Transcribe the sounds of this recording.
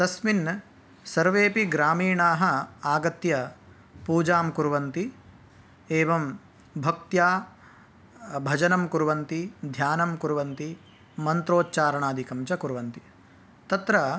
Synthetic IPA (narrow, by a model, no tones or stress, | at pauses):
t̪ɐsmin | sɐɾʋeːpiɡɾaːmiːɳaːɦɐ̆aːɡɐt̪jɐ | puːd͡ʒaːmkuɾʋɐnt̪i | eːʋɐm | bʱɐk̚t̪jaː | bʱɐd͡ʒɐnɐmkuɾuʋɐnt̪id̪ʱjaːnɐmkuɾuʋɐnt̪i | mɐnt̪ɾoːtːt͡ʃaːɾɐɳaːd̪ʱikɐmt͡ʃɐkuɾʋɐnt̪i | t̪ɐt̪ɾɐ